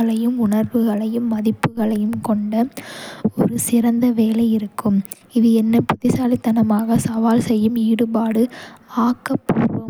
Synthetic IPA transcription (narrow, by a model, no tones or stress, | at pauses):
ɐɭɐjɯmʊɳɐɾʋɯɣɐɭɐjɯmːɐðɪpːɯɣɐɭɐjɯmkɔɳɖɐ | ɔɾɯsɪɾɐnd̪ɐʋeːlɐɪɪɾɯkːɯm | ɪðɯɛnːɐpʊðɪsaːlɪt̪ːɐnɐmaːɣɐsɐʋaːlsɛjːɯmiːɽɯpaːɽɯaːkːɐpːoːrɐ